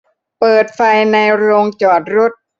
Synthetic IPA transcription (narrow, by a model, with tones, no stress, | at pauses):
pɤː˨˩t̪̚fa˧jna˧jɾoː˧ŋt͡ɕɔː˨˩t̪̚ɾo˦˥t̪̚